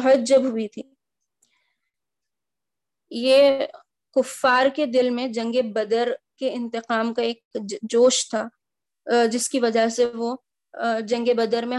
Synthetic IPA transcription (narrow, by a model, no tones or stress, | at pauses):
ɦət̪̚d͡ʒɐbɦʊit̪ʰiː | jeː | kʊfːaːɾked̪ɪlmẽd͡ʒɐ̃ŋɡebɐd̪əɾkeɪ̃nt̪ɪqaːmkaeːk̚d͡ʒoːʃt̪ʰaː | d͡ʒɪskiʋɐd͡ʒəseʋo | d͡ʒɐ̃ŋɡebɐd̪əɾmẽ